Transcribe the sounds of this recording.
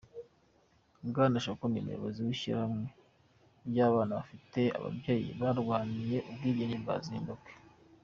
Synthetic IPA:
bɡaːnaʃokunimṵjoβoziwiʃḭɾhamŋe̞ | bjaːβaːnaβafite̞a̰βa̰bɟe̞ːjḭβaɾɡwaːnije̞ʔubɡiːɟeɲimba̰ziːndukwe̥

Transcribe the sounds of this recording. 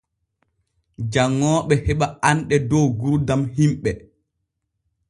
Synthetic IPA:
d͡ʒaŋːɔːɓɛhɛɓaanɗɛdɔwɡuɾdamhimɓɛ

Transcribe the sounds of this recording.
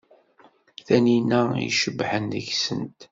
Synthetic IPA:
θæninæḭʃəbːħənðə̰ʝsənt̪

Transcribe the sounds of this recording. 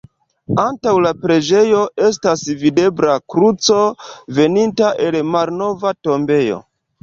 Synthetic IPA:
antawlapɾe̞d͡ʒe̞jo̞ʔe̞s̬tasvide̞bɾakɾut͡so̞ve̞nintaʔe̞lmalno̞vato̞mbe̞jo̞̰

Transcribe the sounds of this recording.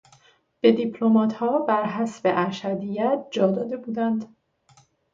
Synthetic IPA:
b̥e̞d̪iːpʰlomɒːt̪ʰhɒːbæɾɦæsbeʔæɾʃæd̪ijæt̪̚ʰd͡ʒɒːd̪ɒːd̪e̞buːd̪ænd̪

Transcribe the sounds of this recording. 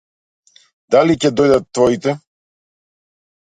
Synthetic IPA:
d̪alicɛd̪ɔjd̪at̪ːvɔit̪ɛ

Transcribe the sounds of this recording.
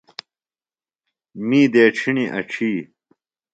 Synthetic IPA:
miːd̪eːʈ͡ʂʰiniʔɐ̰ʈ͡ʂʰiː

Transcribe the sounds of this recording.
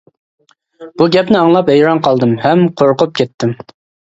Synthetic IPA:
b̥uɡʲɛpnɪɑŋlˠɑpɛjɾɑnqʰɑlˠd̪ɨmhɛmqʰoɾqʊp̚kʲʰɛt̪ʰːɪm

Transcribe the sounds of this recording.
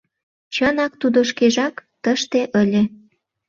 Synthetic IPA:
t͡ɕənɑk̚t̪ud̪oʃkeʒɑkt̪əʃt̪eʔəlʲe

